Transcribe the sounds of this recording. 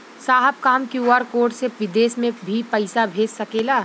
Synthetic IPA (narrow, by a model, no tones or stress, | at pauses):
saːɦəb̚kaːmkjuːaːɾkoːɾʈseʋɪd̪eːsmẽbʱipɐɪsabʱeːd͡ʒsɐkeːlaː